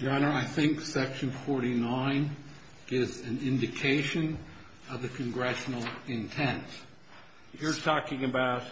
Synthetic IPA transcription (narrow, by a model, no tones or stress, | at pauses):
d̥ɑnə˞aɪθɪ̃ŋksɛkʃɨ̃nfɔɹɾinãɪ̃n | ɡ̥ɪvzɨ̃nɪ̃ndɨkʰeɪʃɨ̃n | ʌvðɨkʰɨ̃nɡɹɛʃn̩l̩ˠɪ̃ntʰɛ̃nt | jə˞tʰɔkɪ̃ŋɨbaʊt̚